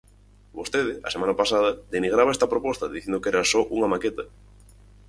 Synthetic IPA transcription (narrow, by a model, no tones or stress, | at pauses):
bost̪eð̞ɪʔɐ̰semãnɐpasaðɐd̪eniɣ̞ɾaβɐest̪ɐpɾopɔst̪ɐðiθjend̪okeɾɐsɔʔuŋɐmaket̪ɐ